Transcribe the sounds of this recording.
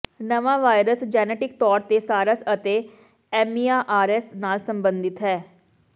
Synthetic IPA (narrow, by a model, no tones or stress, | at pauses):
nəʋãːʋaːjɾəsd͡ʒɛːnɛːʈɪk̚t̪ɔːɾt̪eːsaːɾasət̪eː | ɛːmiːaːʔaːɾɛːsnaːlsəmbənd̪ɪt̪ɦɛː